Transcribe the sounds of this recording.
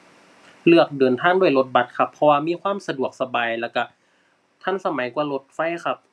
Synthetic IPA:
lɯ˧˩ək̚dɤː˨˩nt̪ʰaː˧˥˩ŋdu˥˩jlo˧˥t̪̚ba˨˩t̪̚kʰa˧pʰːɔ˧waː˧miː˧˥˨kʰwaː˧˥˨msa˧du˨˩ək̚sa˧baː˨˩jlɛː˧˩ka˧˩ | t̪ʰa˧˥˨nsa˧ma˩˦jku˧ɐlo˧˦t̪̚fa˧˥˨jkʰa˧p̚

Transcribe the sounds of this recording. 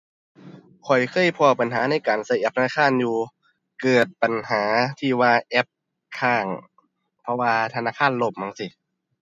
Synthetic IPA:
kʰɔ˨˩jkʰɤː˧˥˩jpʰɔː˧˩pa˨nɦaː˨˩˦na˧˩˨jkaː˨˩nsa˧˩jʔɛ˧˩p̚t̪ʰa˧na˧˥˩kʰaː˧˥˨njuː˧ | kɤː˨˩t̪̚pa˨˩nhaː˩˦t̪ʰiː˧˩waː˧ʔɛ˦˥p̚ | kʰaː˧˩ŋ | pʰɔ˧waː˧t̪ʰa˧naː˧˥˩kʰaː˧˥˨nlo˧˩p̚maː˧˩ŋsi˧˩

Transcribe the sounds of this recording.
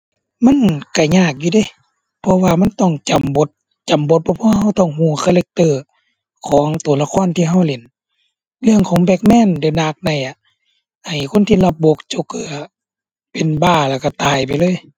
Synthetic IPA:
ma˧˥˨nka˧˩ɲaː˧˩k̚juː˧da˧˩˨ | pʰɔ˧waː˧ma˧˥˨nt̪ɔ˧˩ŋt͡ɕa˨˩mbo˧˦t̪̚ | t͡ɕa˨˦mbo˧˦t̪̚pʰɔ˧pʰɔ˧waː˧ɦa˧˩wt̪ɔ˧˩˨ŋhuː˧˩kʰaː˧˨le˧˦k̚t̪ɤː˧˩ | kʰɔː˨˦ŋt̪u˨˩˦la˧˨kʰɔː˧˥˨nt̪ʰiː˧˨ɦa˧˩wle˨˦n | lɯ˧˨əŋkʰɔː˨˦ŋbɛː˧k̚mɛː˧˥˨nde˧˩naː˧˩k̚da˧˩jʔa˧˨ | ha˨˩jkʰo˧˥˨nt̪ʰiː˧˨la˧p̚bo˧˦k̚t͡ɕo˧kʰɯː˧˨ | pe˨nbaː˧˩la˧˩ka˧˩t̪aː˨˩jpa˨jlɤː˧˥˨j

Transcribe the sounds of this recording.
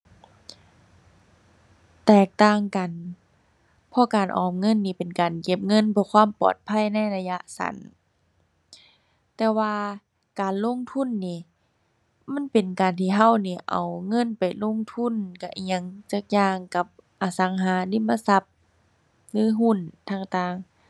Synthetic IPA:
t̪ɛː˧˩k̚t̪aː˧˩˨ŋka˨n | pʰɔ˧kaː˨˩nʔɔ̰ː˨˩mŋɤ˧˥˨nːiː˧˩pe˨nkaː˨˩nke˧p̚ŋɤ˧˥˨npʰɯː˧kʰwaː˧˥˨mpɔ̰ː˨˩t̪̚pʰa˧˥˨jna˧˥˨jla˧ja˧sa̰˨˦n | t̪ɛː˧waː˧ | kaː˨nlo˧˥˨ŋt̪ʰu˧˥˨nːiː˧˩ | ma˧˥˨npe˨nkaː˨nt̪ʰiː˧˨ɦa˧˩˨wniː˧˩ʔa̰˨˩wŋɤ˧˥˨npa˨˩jlo˧˥˨ŋt̪ʰu˧˥˨nka˧˩ʔi˧ə˧˨ŋt͡ɕa˧˩k̚jaː˧ŋka˧p̚ʔaː˨˩sa˨˦ŋɦaː˨˦li˧˥˨mːa˧˨sa˧˦p̚ | lɯː˧˦ɦu˧˥˨nt̪ʰaː˧˩ŋt̪aː˧˩ŋ

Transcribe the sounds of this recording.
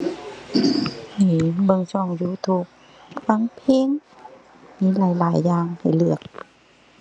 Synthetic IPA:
niː˧˩bɤ˧ŋsɔː˧˩ŋjuː˧˦t̪ʰu˧˩k̚ | fa˧˥ŋpʰeː˧ŋ | miː˧˥˦laː˨˦jlaː˨˦jːaː˧ŋha˨˩jlɯ˨˩ək̚

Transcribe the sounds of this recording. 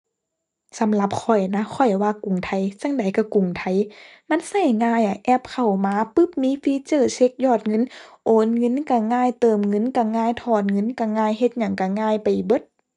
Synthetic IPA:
sa˨˦mla˧˦p̚kʰɔ˧˨˩jna˧˥kʰɔ˧˩jwaː˧˨ku˨˩ŋt̪ʰa˧˩jt͡ɕa˧˥˨ŋda˨˦jka˧˩ku˨˩ŋt̪ʰa˧˨˩j | ma˧˥˨nsa˧˩jŋaː˧˨ja˧˩ʔɛ˧˩p̚kʰa˧˨˩wmaː˧˥pɯ˧˥p̚miː˧˥fiː˧˥t͡ɕɤː˧˩se˧˦k̚jɔː˧˩t̪̚ŋɤ˧˥˨nʔoː˨˦nŋɤ˧˥˨nka˧˩ŋaː˧˨jt̪ɤː˨˩mŋɤ˧˥˨nka˧˩ŋaː˧˨jt̪ʰɔː˧˩n̚ŋɤ˧˥˨nka˧˩ŋaː˧˥˨jhe˧t̪̚ɲa˧˩ŋka˧˩ŋaː˧˩˨jpa˨jbɤ˧˦t̪̚

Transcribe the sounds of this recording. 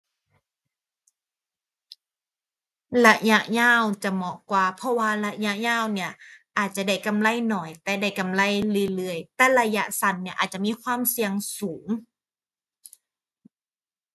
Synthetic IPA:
la˧ja˧ʔɲaː˧˥˩wt͡ɕa˧˩mɔ˧˩kwaː˧pʰɔ˧˥waː˧la˧ʔja˧˥ʔɲaː˧˥˩wni˧˩ɐʔaː˨˩t̪̚t͡ɕa˧˩da˧˩jka˧˨mla˧˥˨jnɔː˨˩jt̪ɛː˧˩da˧˥˩jka˧˨mla˧˥˨jlɯː˧˨jlɯː˧˩əjt̪ɛː˧˥la˧ja˧˥ʔsa˧˩˦nːi˧˥˩ʔaː˨˩t̪̚t͡ɕa˧˨miː˧˥˨kʰwaː˧˥˨msi˧əŋsuː˩˦ŋ

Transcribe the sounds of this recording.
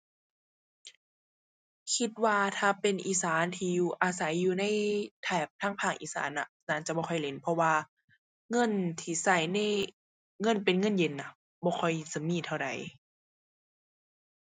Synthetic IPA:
kʰi˧t̪̚waː˧t̪ʰaː˧pe˨nʔiː˨˦saː˨˦nt̪ʰiː˧juː˧˩ʔaː˨˧sa˨˦jːuː˧na˧˥˨jt̪ʰɛː˧˩p̚t̪ʰaː˧˩ŋpʰaː˧˩ŋʔḭː˨sa̰ː˨˦nʔa˧ | naː˧˩nt͡ɕa˧bɔː˧kʰɔ˧˩jle˨˦npʰɔ˧waː˧ | ŋɤ˧˥˨nt̪ʰiː˧˩sa˧˩jna˧˥˨j | ŋɤ˧˥˨npe˨nŋɤ˧˥˨nje˨˧˦nːa˧˦ | bɔː˧˦kʰɔ˧˩jsa˧˦miː˧˩˨t̪ʰa˧wda˨˦j

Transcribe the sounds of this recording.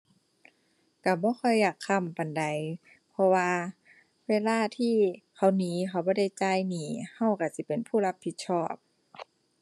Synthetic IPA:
ka˧˩bɔː˧˦xɔ˧˩jːaː˨˩kʰːa˧˩˨mpa˨nda˨˦j | pʰɔ˧waː˧ | weː˧˥˨laː˧˨t̪ʰiː˧˩kʰa˧˩wniː˨˦kʰa˧˩wbɔː˧˦da˧˥˩jt͡ɕa˧˩˨jniː˧˩ha˧˥˩wka˧˩si˧˦pe˨npʰuː˧˥˨la˧˥pʰːi˧t̪̚sʰɔː˧˩p̚

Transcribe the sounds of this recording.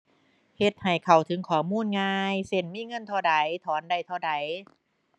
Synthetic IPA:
he˧t̪̚ha˨˩jkʰa˨˩wt̪ʰɯ˨˦ŋkʰɔː˨˩˦muː˧˥˨nŋaː˧jse˧˩nmiː˧˥˨ŋɤ˧˥˨nt̪ʰa˧˩da˨˦jt̪ʰɔː˨˦nda˧˩jt̪ʰa˧˩da˨˦j

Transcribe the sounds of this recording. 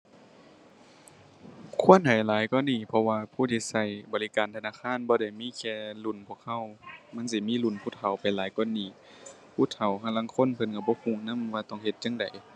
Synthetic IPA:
kʰu˧˥ə˨nha˨˩jlaː˨˦jkɔː˧˨nːiː˧˩pʰɔ˧waː˧pʰuː˧˩˨t̪ʰiː˧˩sa˧˩jbɔː˨˩li˧kaː˨nt̪ʰa˧naː˧˥˨kʰaː˧˥˨nbɔː˧da˧˩jmiː˧˥˨kʰɛː˧˩lu˧˩˨npʰu˧˩ək̚ha˧˩˨wma˧˥˨nsi˧˦miː˧˥˨lu˧˩˨npʰuː˧˥˨t̪ʰa˨˩wpa˨˩jlaː˨˦jkɔː˧˥˨nːiː˧˩ | pʰuː˧˥˨t̪ʰa˨˩wkʰa˧˨la˧˥˨ŋkʰo˧˥˨npʰɤ˧˨nka˧˩bɔː˧˦kʰuː˧˩˨ŋna˧˥˨mwaː˧˩t̪ɔ˧˩˨ŋhe˧t̪̚t͡ɕa˧˥˨ŋda˨˩j

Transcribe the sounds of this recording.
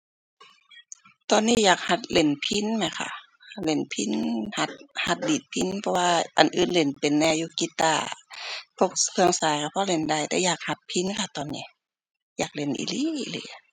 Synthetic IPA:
t̪ɔː˨nːiː˧˥˨jaː˨˩k̚ha˧˩t̪̚le˨˧˩npʰi˧˥˨nma˧˦kʰa̰˧˩ | le˧˩˨npʰi˧˥˨nha˧˩t̪̚ha˧t̪̚liː˨˩t̪̚pʰi˧˥˨npʰɔ˧waː˧ʔa˨nʔɯː˨nle˨˩npe˨nːɛː˧juː˧ki˧t̪a̰ː˧˩pʰo˧k̚pʰɯ˧əŋsaː˨˦jkʰa˧˩pʰɔ˧˥˨le˧˨nda˧˨jt̪ɛː˧˦jaː˨˩k̚ha˧pʰːi˧˥˨nkʰa˧˩t̪ɔː˨nːiː˧˩˨ | jaː˨˩k̚le˧˩nʔḭ˧˨li˧˨lɯ̰˧˩jʔa˧˩

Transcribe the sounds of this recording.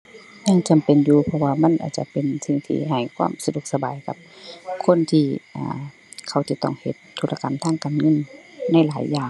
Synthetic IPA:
ɲa˧˥˨ŋt͡ɕa˨mpe˨njuː˧pʰɔ˧waː˧ma˧˥˨nʔa̰ː˨˩t̪̚t͡ɕa̰˧pe˨nsi˧ŋt̪ʰḭː˧˩ɦa˨˩jkʰwaː˧˥˨msa˧du˧˦k̚sa˧baː˨jka˧˦p̚kʰo˧˥˨nt̪ʰiː˧ʔa̰ː˨˧˩ | kʰa˧˩wt͡ɕa˧˦t̪ɔ̰˧˥˩ŋhe˧˦t̪ʰːuː˧˥la˧ka˨mt̪ʰaː˧˥˨ŋkaː˨nŋɤ˧˥˨nːa˧˥˩jlaː˨˦jːaː˧˩ŋ

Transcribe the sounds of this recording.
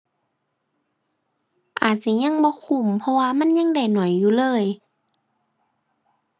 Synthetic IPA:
ʔaː˨˩t̪̚t͡ɕa˧˩˦ɲa˧˥˨ŋbɔː˧˦kʰu˧˩˨mpʰɔ˧waː˧ma˧˥˨nɲa˧˥˨ŋda˧˩jnɔ˨˩˦jːuː˧˨lɤː˧˥˨j

